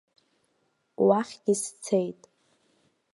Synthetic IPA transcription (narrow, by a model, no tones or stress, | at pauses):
waχʲɡʲɪst͡sʰejtʼ